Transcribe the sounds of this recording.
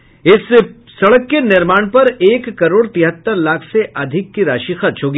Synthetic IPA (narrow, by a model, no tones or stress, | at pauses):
ɪsː | ɐɽəkːenɪɾmaːɽ̃pɐɾeːkːɐɾoːɽt̪ɪɦət̪ːəɾlaːkʰseʔɐd̪ʱɪkːiɾaːʃixɐɾt͡ʃʰɦoːɡi